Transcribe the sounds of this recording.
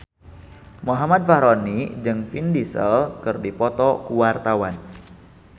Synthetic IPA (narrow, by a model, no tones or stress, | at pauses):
moɦamad̪̚faɾonid͡ʒɨŋfindisə̰lkɨrdipɔt̪ɔkuwart̪awan